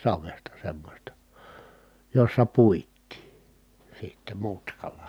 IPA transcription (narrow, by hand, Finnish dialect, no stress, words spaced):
sɑʋestɑ semːosʲtɑ josːɑ puitˑiː sitːe mutkɑlɑ